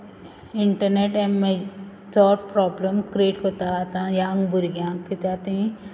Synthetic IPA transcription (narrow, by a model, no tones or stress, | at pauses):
ɪɳʈəɾneʈemːẽ | sɔːɾpɾɔːbləmkɾeːʈkot̪at̪ãjãːŋɡbuɾiɡjãːŋɡkit̪aːt̪iĩ